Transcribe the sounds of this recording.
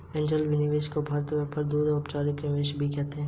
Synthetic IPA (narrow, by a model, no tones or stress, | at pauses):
ẽːɲd͡ʒəlʋɪnɪʋeːʃkobʱaːɾt̪bɛːpəɾd̪uːɾɔɾpt͡ʃaːɾɪknɪʋeːʃbʱikɛɦt̪eɦɛ̃ː